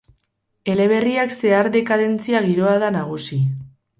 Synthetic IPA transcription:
e̞le̞β̞e̞riakse̞aɾðe̞kaðe̞nt͡siaɣ̞iɾo̞aðanaɣ̞usi

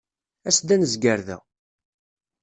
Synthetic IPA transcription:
æsd̪ænəzɡəɾðæ̰

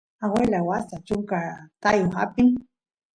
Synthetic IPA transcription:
awelawasat͡ʃʊŋkat̪ajoxa̰pɪŋ

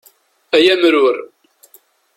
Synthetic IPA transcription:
æjæmɾʊɾ

